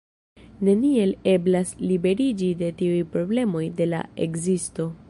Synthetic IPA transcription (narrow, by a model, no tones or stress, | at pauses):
ne̞nie̞le̞blaslibe̞ɾid͡ʒide̞tiujpɾo̞ble̞mo̞jde̞la̰ekzisto̞